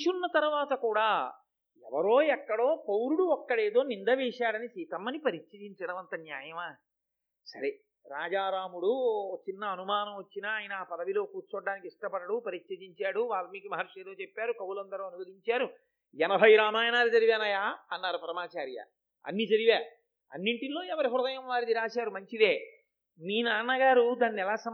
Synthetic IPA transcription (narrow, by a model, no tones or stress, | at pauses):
ʃunːɐt̪ɐɾuʋaːt̪ɐkuːɽaː | ɛ̰ʋɐɾo̞ːɛkːɐɽo̞ːpɐwɾuɽuɔkːɐɽe̞ːd̪o̞ːnind̪ɐʋiːʂaːɽɐnisiːt̪ɐmɐnipɐɾit͡ʃʃɐd̪iɲt͡ʃɐɽɐʋɐnt̪ɐnjaːjɐmaː | sɐɾe | ɾaːd͡ʒaːɾaːmuɽut͡ʃinːɐːnumaːnɐmʋɐt͡ʃːinaːjɐnɐːpɐd̪ɐʋilo̞ːkuːɾt͡ʃɔɖːaːnikiʂʈɐpɐɽɐɽupɐɾit͡ʃʃɐd̪iɲt͡ʃaːɽuʋaːlɐmiːkimɐɦːɾʂeːɾoːt͡ʃepːaːɾukɐwulɐnd̪ɐɾuɐnuɡɐd̪iɲt͡ʃaːɾu | ɛnɐbʱɐjɾaːmaːjɐnaːɾid͡ʒ̪ɐɾiʋeːnaːjaːɐnːaːɾupɐɾɐmaːt͡ʃaːɾjɐ̰ | ɐ̰nːid͡ʒɐɾiʋaː | ɐ̰nːiɳʈilo̞ːɛʋɐɾiɦuɾd̪ɐjɐmʋaːɾid̪iɾaːʃaːɾumɐɲt͡ʃid̪eː | niːnaːɳnːɐɡaːɾud̪aːnːiɛlaːsɐ